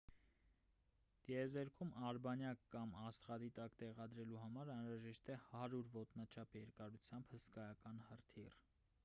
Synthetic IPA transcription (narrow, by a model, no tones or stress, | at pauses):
ɡ̪̥ɛzɛɾkʰumɑɾbɑnjɑkːɑmɑst̪ʁɑd̪it̪ɑkt̪ɛʁɑd̪ɾɛluhɑmɑɾɑnɾɑʒɛʃt̪ɛhɑɾuɾvɔt̪nɑt͡ʃʰɑpjɛɾkɑɾut͡sʰjɑmbhəskɑjɑkɑnhərt̪ʰir